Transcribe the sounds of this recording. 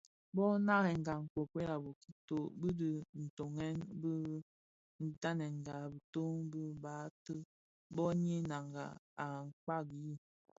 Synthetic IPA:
bɔ˦na˦ɣɛ˨ŋ̩˨ɡa˨ŋ̩˨ko˨kwe˦la˨bo˨ki̥˦to˦bɨ˦də˨n̩˨to˨ŋɛ˦nbə˦ | n̩˦ta˦nɛ˨ŋ˨ɡa˨bə˨to˦ŋbə˦ba˨˦tə˦ | bɔ˦ɲi˦na˨ŋɡa̰˨a˨ŋ̩˨k͡pa˦˨ɡji˦

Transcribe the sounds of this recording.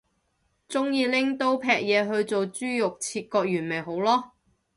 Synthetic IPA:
t͡sʊ˥ŋjiː˨˧lɪ˥ŋt̪o˥wpʰɛː˨k̚jɛː˨˧ɦɵ˧ɥt͡so˨wt͡syː˥jʊ˨k̚t͡sʰiː˧t̚kɔː˧k̚jyː˨˩nme˨˩jɦo˨˥wlɔː˥

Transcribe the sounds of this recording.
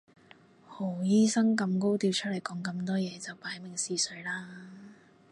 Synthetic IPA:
ho˨˩wjiː˥sɐ˥ŋkɐ˧mko˥wt̪iː˧wt͡ʃʰɵ˥lɐ˨˩jkɔː˨˥ŋkɐ˧mt̪ɔː˥jɛː˨˧t͡sɐ˨wpaː˨˧˥jmɪ˨˩ŋsiː˨sɵ˨˥ɥlaː˥

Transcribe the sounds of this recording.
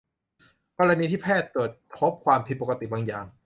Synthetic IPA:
kɔː˧ɾa˧niː˧t̪ʰiː˥˩pʰɛː˥˩t̪ːɤː˨˩t̪̚ʰːo˦˥p̚kʰwaː˧mp̪ʰi˧t̪̚po˨˩ka˧t̪i˨˩baː˧ŋjaː˨˩ŋ

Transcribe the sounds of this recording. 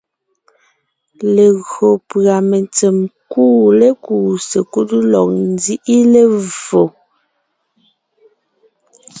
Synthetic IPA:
le˨ɣɰo˨pɰa˨me˨nt͡se˨mkuː˦le˦kuː˨se˨ku˦tlɔ˨k̚n˦zi˦ʔi˦le˨vo˨

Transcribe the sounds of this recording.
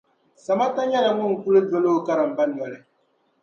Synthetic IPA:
sa˨ma˦ta˦ɲɛ˦la˨ŋʊ˦ŋ̩˨ku˦lɨ˦dɔ˦lo˦ka˦ɾa˨m̩˨ba˦nː˨ɔ˨lɨ˨

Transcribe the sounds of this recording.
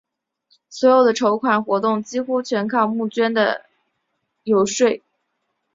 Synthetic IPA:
swɔ˧˥jo˨˩ʊd̪ə˩ʈ͡ʂʰo˧˥ʊkʰwa˨˩nxwɔ˧˥t̪ʊ˥˩ŋt͡ɕi˥xu˥t͡ɕʰɥɛ˧˥nkʰɑ˥˧ʊmu˥˩t͡ɕɥɛ˥nd̪ə̰˨ | jo˧˥ʊʂwe˥˩ɪ

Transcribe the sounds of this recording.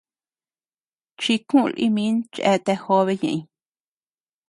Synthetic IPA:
t͡ʃi˧kũ˦˧lʔḭ˧mĩ˧˦nt͡ʃḛ˧˦t̪e˧ho˦βe˧ɲḛ̃˧˨ʔĩ˧

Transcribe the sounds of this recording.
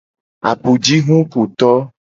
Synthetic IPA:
a̰˨pu˨d͡ʒi˦ɦũ˦ku˨t̪ɔ˦

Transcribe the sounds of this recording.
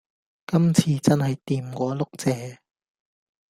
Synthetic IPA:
kɐ˥mt͡sʰiː˨˧t͡sɐ˥nhɐ˨jt̪iː˨˩mkʷɔː˨˧˥lʊ˥k̚t͡sɛː˨˧

